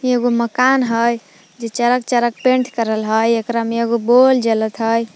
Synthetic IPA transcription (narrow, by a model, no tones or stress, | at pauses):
eɡoməkanɦəj | d͡ʒet͡ʃəɾəkt͡ʃəɾək̚pẽɳʈʰkəɾəlɦəjekɾameeɡobold͡ʒelət̪ɦəj